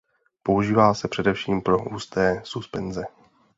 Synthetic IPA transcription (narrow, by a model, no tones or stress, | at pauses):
po̞uʒiːvaːsɛpr̥ɛdɛfʃiːmpɾo̞ʔuːst̪ɛːsuspɛnzɛ